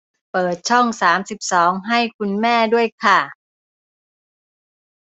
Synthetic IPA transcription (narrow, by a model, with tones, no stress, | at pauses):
pɤː˨˩t̪̚t͡ɕʰɔ˥˩ŋsaː˩˦msi˨˩p̚sɔː˩˦ŋɦa˥˩jkʰu˧nmɛː˥˩du˥˩əjkʰa˥˩